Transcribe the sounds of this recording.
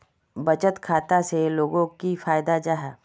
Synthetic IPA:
bɐt͡ʃət̪kʰaːt̪aseloːɡõkifaːjd̪ad͡ʒaɦɛː

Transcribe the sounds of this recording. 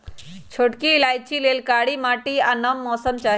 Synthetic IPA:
t͡ʃʰoːʈkiːlaːjt͡ʃʰileːlkaːɽimaːʈianɐmːɔːsəmt͡ʃaː

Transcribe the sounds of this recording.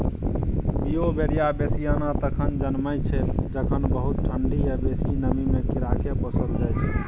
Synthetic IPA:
biobeɾijabesijanat̪əkʰənd͡ʒənməjt͡ʃʰɛld͡ʒəkʰənbəɦut̪̚ʈʰəɳɖiebesinəmimekiɾakebəsət̪̚d͡ʒajt͡ʃʰ

